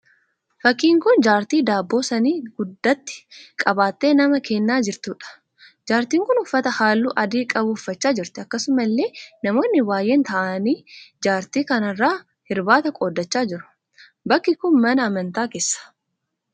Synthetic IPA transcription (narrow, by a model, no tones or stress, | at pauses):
fɐkːiːŋkʊnd͡ʒaːɾt̪iːd̪aːbːo̞ːsɐniːɡʊd̪ːɐt̪ːɪ̥kʼɐbaːt̪ːe̞ːnɐmɐkeːnːaːd͡ʒɪɾt̪uːᶑɐ̥ | d͡ʒaːɾt̪iːŋkʊnʊfːɐt̪ɐhaːlːuːʔɐd̪iːkʼɐbʊʊfːɐt͡ʃːaːd͡ʒɪɾt̪ɪɐkːɐsʊmɐlːe̞ːnɐmo̞ːnːɪbaːjːeːnt̪ɐʔaniːd͡ʒaːɾt̪iːkɐnɐrːaː | hɪɾbaːt̪ɐkʼoːd̪ːɐt͡ʃːaːd͡ʒɪɾʊ̥ | bɐkːɪkʊnmɐnɐːmɐnt̪aːkeːsːɐ̥